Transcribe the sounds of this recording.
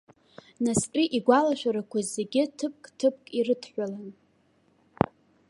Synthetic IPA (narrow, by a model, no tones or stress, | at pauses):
naspʼiʔiɡʷalaʃᶣaɾakʷʰazeɡʲɪtʰɨp̚kʼtʰɨp̚ʰʼkʼirɨtʰħʷᶣalan